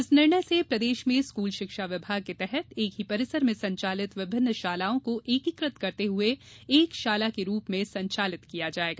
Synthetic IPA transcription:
ɪsnɪɾɳəjsepɾɐd̪eːʃmẽskuːlʃɪkʃaʋɪbʱaːɡ̚ket̪ɛɦɛt̪eːkɦipɐɾɪsəɾmẽsɐ̃ɲt͡ʃaːlɪt̪ʋɪbʱɪ̃nːʃaːlaːõkoʔeːkɪkɾɪt̪kɐɾt̪eɦueeːkʃaːlakeɾuːpmẽsɐ̃ɲt͡ʃaːlɪt̪kijad͡ʒaːeːɡaː

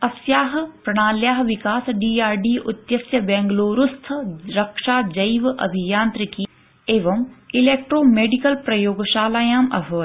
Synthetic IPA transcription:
ɐsjaːɦpɾɐɽ̃aːljaːɦʋikaːsɖiːaːɾɖiːʔʊt̪jɐsjɐbɛ̃ːŋɡloːɾust̪ʰəɾɐkʃaːd͡ʒɐiʋʔɐ̰bʱijaːnt̪ɾɪki | eːʋɐmileːk̚ʈɾoːmeːɖikəlpɾɐjoːɡʃaːlaːjaːmɐ̰fəː

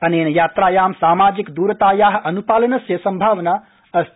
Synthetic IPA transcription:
ɐneːnjaːt̪ɾaːjaːmsaːmaːd͡ʒikd̪uɾət̪ajaɦɐnupaːlənɐsjəsɐmbʱaːʋna | əs

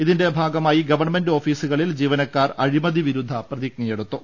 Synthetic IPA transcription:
iðinde̞bʱaːɡɐmaːjiɡɐʋɐrɳme̞ndoːfiːsuɣɐɭild͡ʑiːʋɐnɐkːaːrɐɻimɐd̪iʋiɾud̪ʱːɐprɐðik̚nɐjeɽut̪ːu

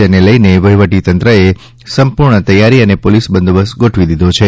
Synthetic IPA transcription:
eneləjneʋəɦiʋəʈit̪ənt̪ɾəe | səmpuɾɳət̪əjːaɾiənepolisbənd̪obəsɡoʈʰʋid̪id̪ot͡ʃʰe

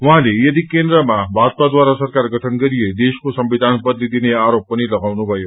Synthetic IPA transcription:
ʋɐɦãlejʌd̪ikend̪ɾəmabʱad̪̚t̪ad̪ʋaɾasəɾkaɾɡʱəʈʰənɡəɾijed̪eskosəmʋid̪ʱanbəd̪lid̪ineaɾopːəniləɡawnubʱəjo

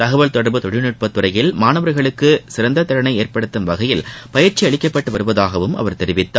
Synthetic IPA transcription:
t̪ɐɣɐʋɐɭt̪ɔɽɐɾbɯt̪ɔɽɪnɯʈ̚pɐt̪ːɯɾɐjɪlmaːnɐʋɐɾɣɐɭɯkːɯsɪɾɐnd̪ɐt̪ːɐɾɐnɐɪeːɾpɐɽɯt̪ːɯmʋɐɣɐjɪlpɐjɪɾt͡ʃːiɐɭɪkːɐpːɐʈːɯʋɐɾɯʋɐðaːɣɐʋɯmʔɐ̰ʋɐɾt̪ɛɾɪʋɪt̪ːa

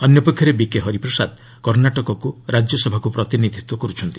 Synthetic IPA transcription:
ɔnjɔpɔkʰjɔɾebikeɦɔɾipɾɔsad̪ | kɔɾnaʈɔkɔkuɾad͡ʒjɔsɔbʱakupɾɔt̪inid̪ʱit̪wɔkɔɾut͡ʃʰɔnt̪i̥

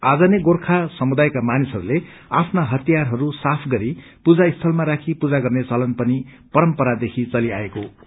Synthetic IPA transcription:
ad͡zʌneɡorkʰasʌmud̪ajkamanisɦʌɾule | a̰pʰnaɦʌt̪ijarɦʌɾusapʰɡʌɾi | pud͡zaist̪ʰʌlmaɾakʰipud͡zaɡʌrnet͡sʌlʌnpʌni | pʌɾʌmpʌɾad̪ekʰit͡sʌlia̰eko

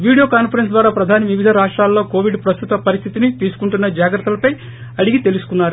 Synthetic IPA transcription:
ʋiːɽijoːkaːnpʰɐɾensd̪ʋaːɾaːpɾɐd̪ʱaːnɐʋiʋid̪ʱɐɾaːʂʈɾaːlːoːkoːʋiɖpɾɐst̪ut̪ɐpɐɾist̪ʰit̪init̪iːsu̥kuɳʈunːɐd͡ʒaːɡɾɐɾt̪ːɐlɐpɐj | ɐɽiɡit̪e̞lusu̥kunːaːɾu

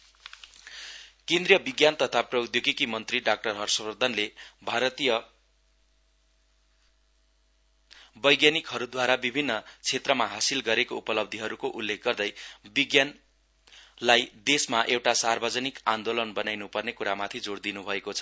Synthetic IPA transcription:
kend̪rijʌbiɡjant̪ʌt̪ʰaprʌjd̪joɡikimʌnt̪riɖak̚ʈʌrɦʌrsʌbrʌd̪ʱʌnlebʱaɾʌt̪ijʌ | bʌjɡjanikɦʌɾud̪waɾabibʱinːʌt͡sʰet̪rʌmaɦasilɡʌɾekoupʌlʌb̚d̪ʱiɦʌɾukoʔulːekʰɡʌrd̪ʌjbiɡjan | lajd̪esmaʔewʈasarbʱʌd͡zʌnikand̪olʌnbʌnajnupʌrnekuɾamat̪ʰid͡zoɽd̪inubʱʌekot͡sʰʌ̥

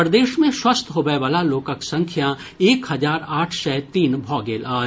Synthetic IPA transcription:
pɾd̪eːʃmẽʃwɐst̪ɦoːɡɐeʋaːlaloːkəksɐ̃ŋkʰja | eːkhɐzaːɾaːʈʰsɛːt̪iːnbʱɔːɡeːlaː

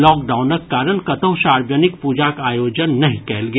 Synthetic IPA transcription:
lɔːkɖaːʊnɐkːaːɾənkɐt̪əɦʃaːɾbjənɪkpuːd͡ʒakaːjoːd͡ʒənːɐɦĩkɛːlɡɐ

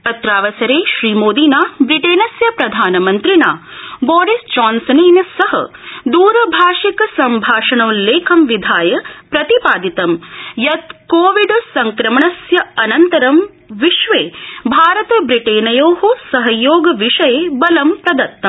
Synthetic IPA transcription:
pɐt̪ɾaːʋɐsɐɾeːʃɾiːmoːd̪iːnaːbɾiʈeːnɐsjɐpɾɐd̪ʱaːnɐmɐnt̪ɾinaːbɔːɾisd͡ʒaːnsɐniːnɐsɐɦɐ̰d̪uːɾɐbʱaːʃikɐsɐmbʱaːʂɐɳɐw̃leːkʰɐmʋid̪ʱaːjɐpɾɐt̪ipaːd̪it̪ɐmjɐt̪koːʋiɖsɐŋkɾɐmɐɳɐsjɐɐnɐnt̪ɐɾɐm | ʋiʃʋeːbʱaːɾɐt̪ɐbɾiʈeːnɐjoːɦusɐɦɐjoːɡɐʋiʂɐjebɐlɐmpɾɐd̪ɐɾt̪ːɐm

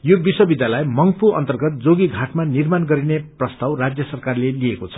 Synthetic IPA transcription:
jobiswʌbid̪jalajmʌŋpuʌ̰nt̪ʌrɡʌt̪̚d͡zoɡiɡʱaʈmanirmanɡʌɾineprʌst̪awrad͡zjʌsʌrkarleliekot͡sʰʌ̥

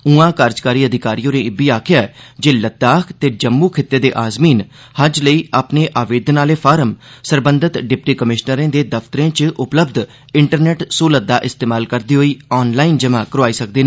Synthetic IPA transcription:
ũãːkaːɾd͡ʒkaːɾiːəd̪ʱɪkaːɾijõːɾẽːɪbiːaːkʰɪjaːɛd͡ʒeːlət̪ːaːkʰt̪eːd͡ʒəmːuːkʰɪt̪ːeːd̪eːʔaːzmiːn | həd͡ʒləiːʔaːpneːʔaːʋeːd̪ʱnaːleːpʰaːɾəmsəɾbənd̪ɪt̪ɖɪpʈiːkəmɪʃnəɾẽːd̪eːd̪əft̪əɾẽːt͡ʃʔʊpləbd̪ | ɪɳʈəɾnɛːʈsuːləd̪aːʔɪst̪eːmaːlkəɾd̪iːɦoːiːɔːnlaːind͡ʒəmãːkəɾoaːiːsək̚d̪eːnaː

